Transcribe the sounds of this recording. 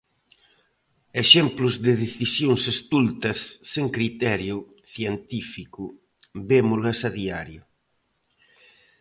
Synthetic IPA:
eʃɛmplʊzðɪðeθisjoŋsest̪ult̪ɐsːeŋkɾit̪ɛɾjʊ | θjent̪ifikʊ | bemʊlɐsaðiaɾjʊ

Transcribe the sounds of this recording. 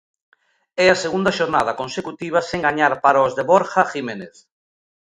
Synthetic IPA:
ɛaseɣund̪aʃoɾnað̞akõnsekut̪iβ̞aseŋɡaɲaɾpaɾaozðeβoɾxaximeneθ

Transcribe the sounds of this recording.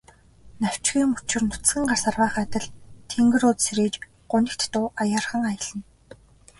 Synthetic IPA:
naw̥t͡ɕɡiːmut͡ɕɪ̆rnʊt͡sɘ̆ŋɢarsarwaːχat̪ə̆ɮt̪ʰeŋɡɘ̆ɾʊt͡ssɾeːt͡ɕ | ɢ̥ʊnʲɪ̆kt̪ːʊːʔajaːrχə̆ŋajə̆ɮə̆n

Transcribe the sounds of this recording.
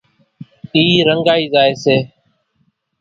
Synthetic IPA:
iːɾəŋɡaːiːzaːeːseː

